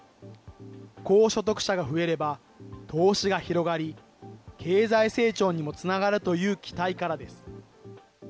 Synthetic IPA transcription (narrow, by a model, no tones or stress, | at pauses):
ko̞ːɕo̞t̪̬o̞kɯ̟̥ɕaɡaɸɯ̟e̞ɾe̞ba | t̪ʰo̞ːɕiɡaçiɾo̞ɡaɾʲi | kʰe̞ːzaise̞ːt͡ɕo̞ːɲ̟imo̞t͡sɨnaɡaɾɯ̟t̪o̞jɯ̟ːkʲʰi̥t̪aikaɾad̪e̞sɨ̥